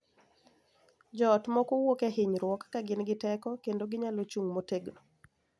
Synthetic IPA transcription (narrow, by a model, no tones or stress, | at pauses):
d͡ʒɔtmɔkowokɛhɪɲɾwɔkːaɡɪnɡɪtɛkɔkendoɡɪɲalot͡ʃuŋmoteɡno